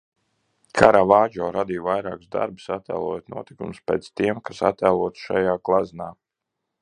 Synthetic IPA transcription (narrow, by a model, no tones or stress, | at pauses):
kʰaɾavaːd͡ʒɔːɾad̪iːvajɾa̰ːkuzd̪a̰ɾbu̥sat̪ːæ̰ːlˠɔ̰jot̪nuɔt̪ikumspḛːt̪st̪iɛmkasa̰t̪ælˠuɔt̪ʃa̰jaːklˠaznaː